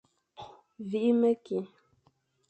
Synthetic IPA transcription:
vi˨˦ʔi˦mə˦ki˨

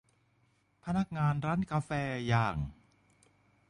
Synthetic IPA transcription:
pʰa˧na˦˥k̚ŋaː˧nɾaː˦˥nkaː˧fɛː˧jaː˨˩ŋ

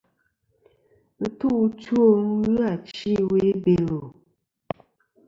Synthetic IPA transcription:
tu˦ʔto˦˨˦ŋʉ˦a˨t͡ʃi˦˨we˨˦be˨lo˨

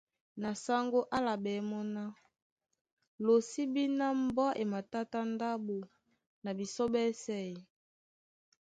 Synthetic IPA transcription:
na˨sa˦ŋɡo˦ʔa˦la˨bɛ˨˦mɔ˦na˦ | lo˨si˦bi˦na˦m˦bɔ˦ʔe˨ma˨ta˦ta˦nda˦bo˨ | na˨bi˨so˦bɛ˦sɛ˦˨i˨

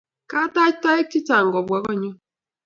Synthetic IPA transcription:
ka˦ta˦t͡ʃta˦e˦k̚ti˦ta˨ŋɡɔ˨bwa˦kɔ˦ɲɔ˦

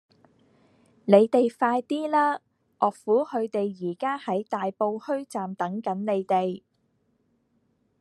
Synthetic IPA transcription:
ne˨˧jt̪e˨jfaː˧jt̪iː˥laː˥ | ʔɔː˨k̚fuː˨˥hɵ˨˧ɥt̪e˨jjiː˨˩kaː˥hɐ˨˥jt̪aː˨jpo˧whɵ˥ɥt͡saː˨mt̪ɐ˨˥ŋkɐ˨˥nne˨˧jt̪e˨j

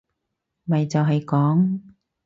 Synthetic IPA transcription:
mɐ˨jt͡sɐ˨wɦɐ˨jkɔː˨˥ŋ

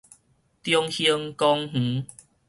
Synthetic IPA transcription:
t̪jɔ˧ŋhə˧ŋkɔ˦ŋh̩˨˦

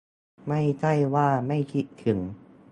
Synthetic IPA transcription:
ma˥˩jt͡ɕa˥˩jwaː˥˩ma˥˩jkʰi˧˦˥t̪̚t̪ʰɯ˩˦ŋ

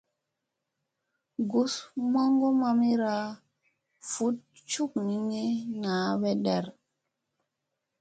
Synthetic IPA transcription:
ɡu˨sma˦ŋɡo˦ma˦mi˦ɾa˦ | fu˨˦t̚ | t͡ʃu˦k̚ni˨˦ŋe˦na˨˦βe˦ɗɛ˨ɾ

